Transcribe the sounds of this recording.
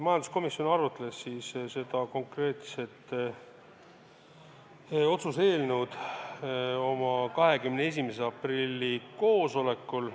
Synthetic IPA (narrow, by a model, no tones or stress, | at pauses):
mɑjɑnd̪usko̞misjo̞nɑrut̪ːˑelesːiːsse̞d̪̥ɑko̞ŋkre̞ːt̪se̞t̪ | o̞t̪suse̞ːlnuwd̪̥ | o̞mɑkɑɦe̞kymnees̬ʲimeseɑprilʲːiko̞ːso̞le̞kːˑul